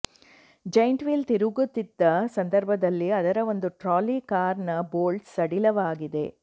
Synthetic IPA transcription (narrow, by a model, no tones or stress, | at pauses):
d͡ʒɐjɳʈʋilt̪iɾuɣut̪ːɪd̪ːɐsɐnd̪ɐɾbʱɐðɐlːiɐðɐɾɐʋond̪ɯʈɾaːlikaːɾɳɐboːlʈsɐɽilɐʋaːɡɪðḛː